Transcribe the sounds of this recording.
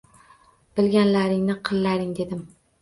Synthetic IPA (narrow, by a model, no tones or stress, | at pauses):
b̥ɪlɡʲanlaɾɪŋnɪqʰɨlˠːaɾɪŋd̪e̞d̪ɪm